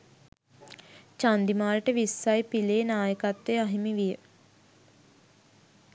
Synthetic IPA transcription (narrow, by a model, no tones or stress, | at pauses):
t͡ʃand̪imaːɾəʈəʋisːajpileːnaːjəkat̪ʋejaɦimiʋijə